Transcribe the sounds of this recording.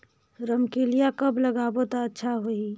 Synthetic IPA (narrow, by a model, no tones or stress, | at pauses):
ɾəmkelijakɐblɐɡaːbot̪aɐtːʃʰaɦoi